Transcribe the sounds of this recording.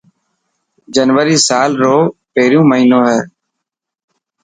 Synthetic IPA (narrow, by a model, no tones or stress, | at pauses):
d͡ʒənʋəɾiːsaːlɾoːpeːɾjũːməɦiːnõːɦɛː